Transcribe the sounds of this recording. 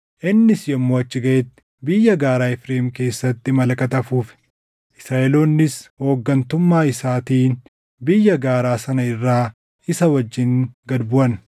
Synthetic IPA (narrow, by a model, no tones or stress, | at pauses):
ʔɪnːɪsjɐmːoːɐt͡ʃːɪɡɐʔet̪ː | bɪjːɐɡaːɾaːɪfɾeːmke̞ːsːɐt̪ːɪmɐlɐkʼɐt̪ɐfuːfɛ̥ | ʔɪsɾaːʔɛlo̞ːnːɪsho̞ːɡːɐnt̪ʊmːaːɪsaːt̪iːn | bɪjːɐɡaːɾaːsɐnɐɪrːaː | ɪsɐwɐd͡ʒːɪŋɡɐd̪bʊʔɐn